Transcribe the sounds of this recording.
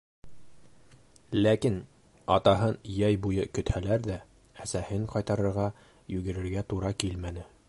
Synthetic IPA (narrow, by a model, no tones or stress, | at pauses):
lækin | ɑt̪ɑɦɤnjæjbujɤkɵ̆t̪hælæɾd̪æ | æsæhɘŋqɒjt̪ɑɾɤ̆ɾʁɑ | jʉɡɘ̆ɾɘ̆ɾɡæt̪uɾɑkilmænɘ